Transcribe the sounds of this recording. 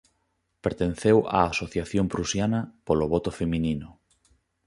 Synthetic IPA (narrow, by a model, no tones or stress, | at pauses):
peɾt̪en̟θewa̰ːsoθjaθjompɾusjanɐpoloβɔt̪ʊfemĩninʊ